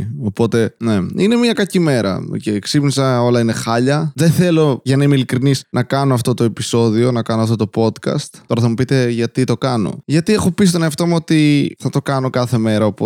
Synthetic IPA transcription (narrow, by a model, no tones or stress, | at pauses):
o̞po̞t̪e̞ne̞ine̞mɲɐkɐcime̞ɾɐ̰o̰ceksipnisɐo̞lɐinexɐʎɐðeθe̞lo̞ʝɐnɐimeilikɾinisnʔɐkɐnoɐft̪o̞t̪o̞e̞piso̞ðio̞nɐkɐnoɐft̪o̞t̪o̞po̞t̪kɐ̰st̪t̪o̞ɾɐθɐmupit̪e̞ʝɐt̪it̪o̞kɐno̞̰ʝɐt̪iexo̞pis̬t̪oneɐft̪omuo̞t̪iθɐt̪o̞kɐno̞kɐθe̞me̞ɾɐopo